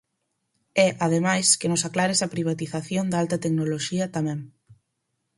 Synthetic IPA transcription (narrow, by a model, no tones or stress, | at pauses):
ɛʔað̞emajskenʊsaklaɾesɐpɾiβ̞at̪iθaθjond̪alt̪ɐt̪eknoloʃiɐt̪amɛ̃ŋ